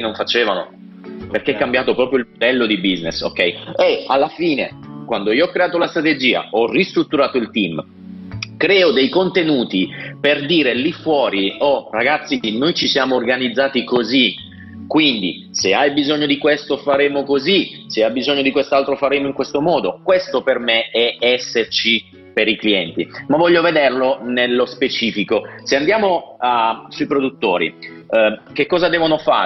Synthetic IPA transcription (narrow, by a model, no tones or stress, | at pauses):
noɱfat͡ʃeːvano̰ | perk̟eɛkːambjaːt̪opɾɔːpɾjoilmod̪ɛlːod̪ibiznḛso̰kːɛjealːafiːnekwand̪oiːoɔkːɾeaːt̪olast̪ɾat̪ed͡ʒiːa̰ɔrːist̪ɾut̪ːuɾaːt̪oilt̪im | kɾɛːod̪ejkont̪enuːt̪iperd̪iːɾelifːwɔːɾiɔraɡat̪sːinojt͡ʃisjaːmoːrɡanid̪zːaːt̪ikozi | kwind̪ḭ | seajbizoɲːod̪ikwest̪ofaɾeːmokoziseajbizoɲːod̪ikwest̪alt̪ɾofaɾeːmoiŋkwest̪omɔːd̪okwest̪opermeɛɛsːert͡ʃi | peɾikliɛnt̪ḭmavːɔʎːoved̪erlonelːospet͡ʃiːfikoseand̪jaːmoasuipɾod̪ut̪ːoːɾḭ | kekːɔːzad̪ɛːvonofa̰ː